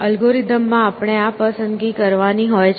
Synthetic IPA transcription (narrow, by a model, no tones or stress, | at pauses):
əlɡoɾid̪əmːãapɳ̃eapəsənɡikəɾʋaniɦojt͡ʃʰ